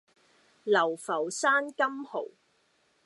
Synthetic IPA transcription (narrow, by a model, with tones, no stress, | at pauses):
lɐ˨˩wfɐ˨˩wsaː˥nkɐ˥mho˨˩w